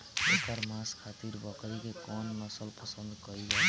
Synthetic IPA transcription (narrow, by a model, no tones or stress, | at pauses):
ekəɾmaskʰat̪iɾbʌkɾikekɔnːʌsəlpʌsənd̪kʌile